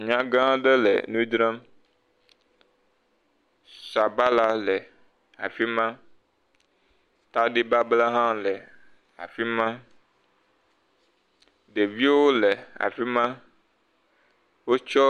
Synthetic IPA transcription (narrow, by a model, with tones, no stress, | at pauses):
ɲã˦ɡã˦ɖe˦lɛ̰˨nũ˦i˦d̪ɾã˦m | sa˨ba˦la˦lɛ˨ | a̰˨fi˦mã˦ | t̪a˦ɖi˦ba˦bla˦ɦã˦mlɛ˨ | a̰˨fi˦mã˦ | ɖe˨vi˦wo˦lɛ˨a̰˨fi˦mã˦ | wo˦t͡ʃɔ˦